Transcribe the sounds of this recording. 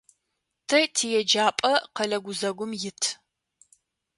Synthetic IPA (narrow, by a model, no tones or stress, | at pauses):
tʰɐtʰiːjɛd͡ʒaːpʼɐqɐlɐɡʷʊzɐɡʷʊmjɪtʰ